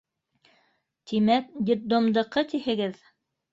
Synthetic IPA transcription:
t̪imæk̚d̪ʲɪd̪̚d̪omd̪ɤ̆qɤt̪ihɘ̆ɡɘð

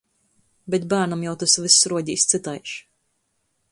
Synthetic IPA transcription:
bɛt̪̚bæːɾnamjawt̪asvɨsːɾuɔɟʲiːst̪sɨt̪ajʃ

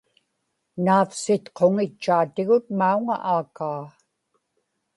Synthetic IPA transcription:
naːfsɪt̪qʰo̞ŋɪt͡ʃːaːt̪ɪɣʊt̪̚mauŋa̰ʔaːkaː

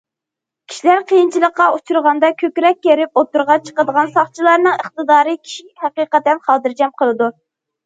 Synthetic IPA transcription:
kʲʰi̥ʃilæɾqʰəjint͡ʃʰilˠəqːɑut͡ʃʰuɾʁɑnd̪ɑkʲʰøkʲɾɛk̚ʲːeɾɪp̚ot̪ːuɾʁɑt͡ʃʰə̥qəd̪əʁɑnsɑχt͡ʃʰilˠɑɾnɨŋəχt̪ɨd̪ɑːɾɨkʲʰi̥ʃihæqiqɛt̪ɛnχɑːd̪ɨɾd͡ʒɛmqʰəlˠɨd̪u

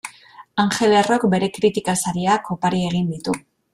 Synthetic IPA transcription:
aŋxe̞larokbe̞ɾe̞kɾit̪ikasaɾiako̞paɾie̞ɣ̞ind̪it̪u

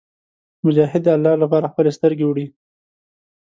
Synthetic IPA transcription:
mʊd͡ʒɑɦɪd̪̚ːəalːɑlapɑɾaxpəlest̪əɾɡewɽi

